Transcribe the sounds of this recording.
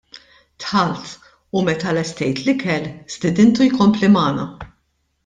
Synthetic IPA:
t̪ħɐlt̪ | umɛt̪ɐlɛst̪ɛjt̪lɪkɛlst̪ɪd̪ɪnt̪ujkɔmplimɐːnɐ

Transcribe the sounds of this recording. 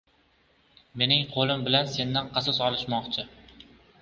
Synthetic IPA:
me̞nɪŋqʰolˠɪmbɪlanse̞nːanqʰɑsɒsɒlˠɪʃmɒqt͡ʃʰɪ

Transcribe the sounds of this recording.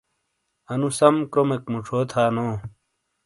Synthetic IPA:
ɐnusɐmkɾomekmuʈ͡ʂʰoːt̪ʰaːnoː

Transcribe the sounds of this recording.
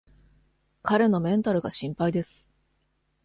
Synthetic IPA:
kaɾe̞no̞mẽ̞nt̪aɾɯ̟ɡaɕĩmpaid̪e̞sɨ̥

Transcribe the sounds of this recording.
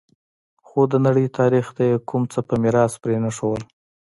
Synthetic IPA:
xod̪ənaɽəjt̪ʰɑɾixd̪ajekʰʊmt͡səpəmɪɾɑspɾenaʂowəl

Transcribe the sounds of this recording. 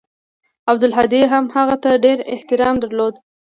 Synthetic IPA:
ab̚d̪ʊlɦad̪iɦamhaɣat̪aɖeɾɪ̰ht̪ɪɾɑmd̪əɾlod̪

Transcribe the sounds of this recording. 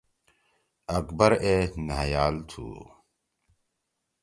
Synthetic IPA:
ɐkbɐɾenajaːlt̪ʰṵː

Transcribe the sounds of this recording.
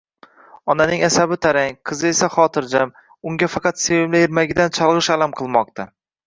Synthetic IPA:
ɒnanɪŋasabɪt̪ʰaɾaŋqʰɨzɪe̞saχɒt̪ʰɪɾd͡ʒam | ʊŋɡʲafɑqʰɑt̪sevɪmlajɪɾmaɡʲɪd̪ant͡ʃʰɒlˠʁɨʃalamqʰɨlˠmɒq̚t̪ʰa

